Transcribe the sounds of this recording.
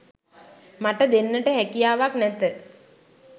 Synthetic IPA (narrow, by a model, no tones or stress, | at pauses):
maʈəd̪enːəʈəɦækijaːʋaknɛt̪ːə